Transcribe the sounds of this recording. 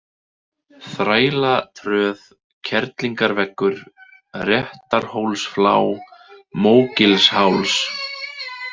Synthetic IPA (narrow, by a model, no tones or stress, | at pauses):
θɾaːjlat̪ʰɾœːð | cʰɛɾt̪liŋkaɾvɛkːʏɾ̥ | rjɛht̪aɾ̥howlsfla̰ːwmoːwcɪlshawls